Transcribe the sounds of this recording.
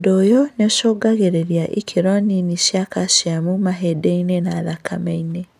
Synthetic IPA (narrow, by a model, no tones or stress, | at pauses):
dojoneoʃoːɡaɣeɾeɾjaʔḭkʰeɾɔniniʃiakʰaʃiamumaɦedeinenaːðakʰa̰meine